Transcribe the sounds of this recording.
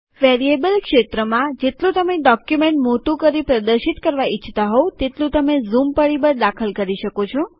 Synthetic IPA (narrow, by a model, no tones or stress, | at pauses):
ʋeɾiebəlkʃet̪ɾəmãd͡ʒet̪lũt̪əmeɖɔkjumeɳʈmot̪ũkəɾipɾəd̪əɾʃit̪kəɾʋait͡ʃʰt̪aɦɔt̪et̪lũt̪əmezumpəɽibəɾd̪akʰəlkəɾiʃəkot͡ʃʰɔ